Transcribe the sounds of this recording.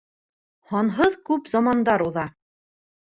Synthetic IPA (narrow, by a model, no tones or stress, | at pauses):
hɒnɦɤðkʉpzɑmɑnd̪ɑɾuðɑ